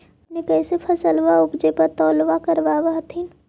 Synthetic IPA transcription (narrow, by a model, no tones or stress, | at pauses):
nekɛːsepʰɐsəlʋaʊbd͡ʒepɐɾt̪ɔːlʋakəɾbaʋaɦt̪ʰin